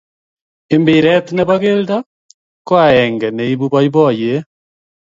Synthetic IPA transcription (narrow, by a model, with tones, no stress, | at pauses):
e˨mbi˨ɾɛ˦tneβaɣe˦lda | kwa˦ɛŋɡɛ˨ne˨iβu˦βa˦iβɔ˦˨je˦